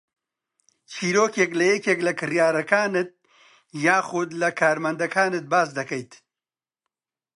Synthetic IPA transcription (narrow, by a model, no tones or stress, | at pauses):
t͡ʃʰiːɾoːkeklɐjɛkeːklɐkɨrjaːɾɐkaːnɨt̪̚ | jaːxʊd̪lɐkʰaːɾmɐnd̪ɐkaːnɨt̪̚baːsd̪ɐkɐjt̪